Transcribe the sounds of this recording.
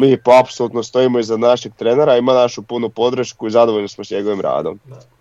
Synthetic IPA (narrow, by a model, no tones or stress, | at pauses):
miːpoapsolˠut̪nost̪o̞imoiznad̪naʃeɡ̚t̪ɾeːneɾaimanaʃupunupo̞d̪ɾʃkuizad̪oʋoʎnismosɲe̞ɡo̞ʋimɾa̰ːd̪o̞̰m